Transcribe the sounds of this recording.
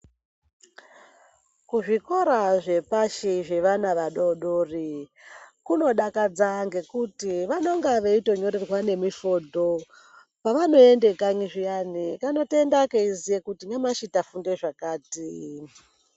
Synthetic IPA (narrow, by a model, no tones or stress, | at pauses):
kuʐiko̞ɾaʐe̞paʃiʐe̞ʋanaʋaɗo̞ɗoːri | kuno̞ɗakad͡zaŋɡe̞kutiʋano̞ŋɡaʋeito̞ɲo̞ɾerwane̞mifo̞ːdʱo̞ | paʋano̞e̞nde̞kaɲiʐijanikano̞te̞ndakeizijekutiɲamaʃitafundeʐakaːti